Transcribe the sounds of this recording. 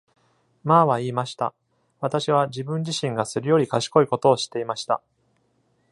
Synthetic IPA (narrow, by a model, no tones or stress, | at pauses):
maβaiːmaɕi̥t̪a̰ | βat̪aɕiβad͡ʑibɯ̟̃ɲ̟d͡ʑiɕĩŋɡasɨɾɯ̟jo̞ɾʲikaɕi̥ko̞iko̞t̪o̞ːɕi̥t̪ːe̞imaɕi̥t̪a̰